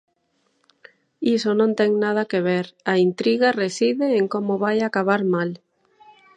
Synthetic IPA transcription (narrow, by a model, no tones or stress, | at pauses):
isonõnt̪ɛŋnað̞akeβ̞eɾaint̪ɾiɣaresiðeːŋkomoβajakaβ̞aɾmal